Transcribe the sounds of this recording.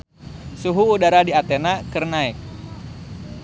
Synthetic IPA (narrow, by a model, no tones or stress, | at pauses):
suɦuːdaɾadiat̪ɛnakɨrnaɪk̚